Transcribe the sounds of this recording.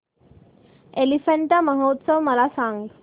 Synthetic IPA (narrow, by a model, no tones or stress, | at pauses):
elifəɳʈaməɦot̪səʋməlasãŋɡ